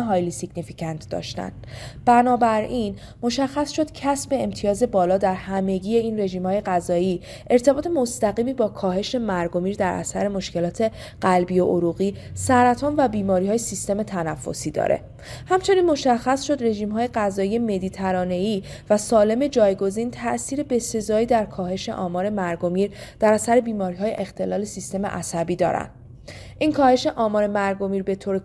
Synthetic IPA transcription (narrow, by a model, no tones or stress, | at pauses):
ɦɒjlisiɟnificʰænt̪ʰd̪ɒ̰ːʃt̪æ̰n | b̥ænɒːbæɾiːn | mo̞ʃæxːæsʃo̞d̪̥cʰæsbe̞emt̪ʰijɒːze̞bɒːlɒːd̪æɾhæme̞ɟiːje̞iːnre̞ʒiːmhɒːje̞ɣæzɒːiː | ʔe̞ɾt̪ʰe̞bɒːt̪ʰe̞mo̞st̪æɣiːmiːbɒːkʰɒːɦe̞ʃe̞mæɾɡo̞miːɾd̪æɾʔæ̰sæɾe̞moʃce̞lɒːt̪ʰe̞ | ɢ̥ælbijoʔoɾuɣiːsæɾæt̪ʰɒːnvæbiːmɒːɾihɒːjesist̪e̞me̞t̪ʰænæfːo̞̰siːd̪ɒ̰ːɾʔḛ | hæmt͡ʃʰe̞niːnmo̞ʃæxːæsʃo̞d̪re̞ʒiːmɦɒːje̞ɣæzɒːije̞me̞d̪iːt̪ʰæɾɒːne̞iː | væsɒːle̞me̞d͡ʒɒːjɡo̞ziːnt̪ʰæʔsiːɾe̞be̞se̞zɒːiːd̪æɾkʰɒːhe̞ʃe̞̰ʔɒːmɒːɾe̞mæɾɡo̞miːɾd̪̥æɾæsæɾe̞biːmɒːɾiɦɒːjḛʔext̪ʰe̞lɒːle̞sist̪e̞me̞ʔæsæbiːd̪ɒ̰ːɾæ̰nd̪̥ | ʔinkʰɒːhe̞ʃe̞ʔɒːmɒːɾe̞mæɾɡo̞miːɾbe̞t̪ʰoːɾe